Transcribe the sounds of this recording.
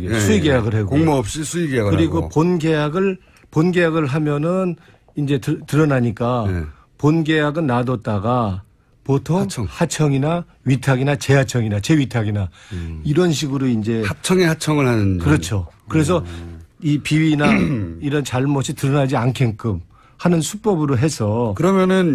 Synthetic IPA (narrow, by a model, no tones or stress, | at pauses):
ɡesʰuiɡejaɡɯɭɦeoŋmoʌp̚ɕ͈isʰuiɡejaɡɯkɯɾiɡoponɡejaɡɯɭ | ponɡe̞jaɡɯɭɦamjʌnɯn | ind͡ʑe̞ttɯɾʌnaɲik͈a | ponɡe̞jaɡɯnːadʌt̚t͈aɡa | potʰoŋhat͡ɕʰʌŋina | ɥitʰaɡinat͡ɕe̞ɦat͡ɕʰʌŋinat͡ɕe̞ɥitʰaɡinaiɾʌnɕʰiɡɯɾoind͡ʑe̞at͡ɕʰʌŋehat͡ɕʰʌŋɯɭhanɯnkɯɾʌt͡ɕʰo | kɯɾe̞s̬ʰʌipiɥinaiɾʌnt͡ɕaɭmʌɕʰitɯɾʌnad͡ʑiankʰe̞nk͈ɯm | hanɯnsʰup͈ʌbɯɾoɦe̞sʰʌkɯɾʌmjʌnɯn